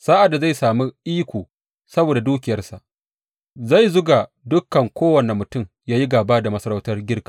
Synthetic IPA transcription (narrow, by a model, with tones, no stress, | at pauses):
saː˦ʔa˨dːa˨za˦˨jsaː˨mu˦ʔiː˦kʷoː˨ | sɐ˦boː˨da˨duː˦kʲɪ˨jɐ˦rsa˨ʔ | za˦˨jzʊ˦ɡaː˨ | dʊ˦kːɐ˨ŋkʷoː˦wɐ˨ne˨mːʊ˨tʊ˦m | jaː˦ji˦ɡaː˨baː˦da˨mɐ˦sɐ˦ɾa˦wtɐ˦rɡʲɪ˦rkḁː˨